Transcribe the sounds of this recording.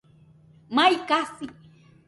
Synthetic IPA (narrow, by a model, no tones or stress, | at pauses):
majkasi